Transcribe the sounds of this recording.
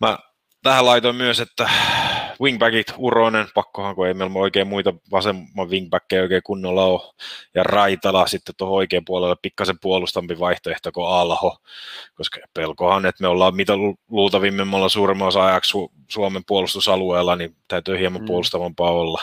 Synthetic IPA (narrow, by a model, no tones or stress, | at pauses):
mæ | t̪æhælɑit̪oimmyøset̪ːæ | wiŋɡ̚bækit̪uronenpɑkːohɑŋkueimeolmoikeːmmuit̪ɑʋɑsemːɑʋʋiŋɡ̚bækːeioikeːkunːolːɑojɑrɑit̪ɑlɑsit̪ːet̪t̪ohooikeːmpuolelːeppikːɑsempuolust̪ɑmpiʋɑiht̪oeht̪okoɑlhokoskɑpelkohɑnet̪meolːɑːmmit̪æluːt̪ɑʋiːmːemːɑlːɑsuːremːɑosɑɑjɑkssu | suomempuolust̪usɑlueːlːˑɑnit̪æyt̪øːhiemɑmpuolust̪ɑʋɑmpɑːolːɑ